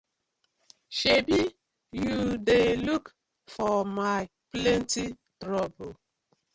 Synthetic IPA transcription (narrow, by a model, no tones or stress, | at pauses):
ʃebi | judeluk | fɔmaɪ | plɛ̃nti | tɾɔbo